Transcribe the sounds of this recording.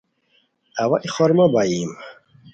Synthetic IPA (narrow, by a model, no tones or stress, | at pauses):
awaʔiχɔɾmabajiːm